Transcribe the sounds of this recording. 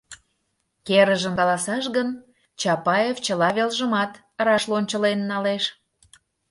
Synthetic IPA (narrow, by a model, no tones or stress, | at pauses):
keɾəʒəmkɑlɑsɑʃɣən | t͡ɕɑpɑjeft͡ɕəlɑβelʒəmɑt̪ | ɾɑʃlonʲt͡ɕəlenːɑleʃ